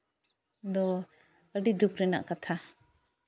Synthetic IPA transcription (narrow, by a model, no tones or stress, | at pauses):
d̪ɔ | əɖid̪ukɾɛna̰ʔkat̪ʰa